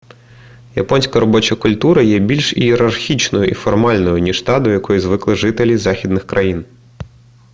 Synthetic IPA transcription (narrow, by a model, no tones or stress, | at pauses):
jɐ̰pɔnʲsʲkɐɾɔbɔt͡ʃɐkʊlʲt̪uɾɐjɛbʲilʲʃieɾɐrxʲit͡ʃnɔjʊʔifɔrmɑlʲnɔjʊnʲiʃt̪ɑd̪ɔjɐkɔjizʋɪklˠɪʒɪt̪elʲizɑxʲid̪nɪxkɾʔɐjin